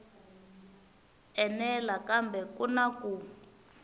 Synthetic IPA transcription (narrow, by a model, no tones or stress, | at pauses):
ɛnɛlakambɛkunaku